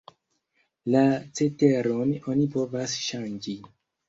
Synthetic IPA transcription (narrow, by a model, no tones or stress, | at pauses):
lat͡se̞te̞ɾono̞nipo̞vasʃand͡ʒi